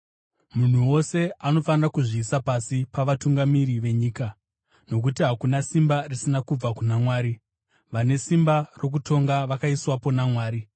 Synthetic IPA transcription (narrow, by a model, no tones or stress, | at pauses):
mun̤uwo̞se̞ano̞fanirakuʐiːsapasipaʋatuŋɡamiɾiʋe̞ɲiːka | no̞kutiɦakunasimbarisinakub͡vakunamwaːɾi | ʋane̞simbaro̞k̬utʰo̞ŋɡaʋakaiswapo̞namwaːɾi